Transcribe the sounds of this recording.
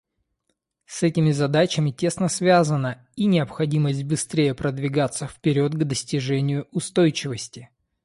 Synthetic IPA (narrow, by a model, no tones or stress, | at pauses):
sɛtʲɪmʲɪzɐd̪at͡ɕɪmʲɪtʲe̞snəsvʲazənə | inʲɪəpxɐdʲiməsʲt̚ʲbɨst̪ɾʲejəpɾəd̪vʲɪɡat̪səfpʲɪɾʲo̞t̪̚ɡd̪əsʲtʲɪʐɛnʲɪjʊʊst̪ojt͡ɕɪvəsʲtʲɪ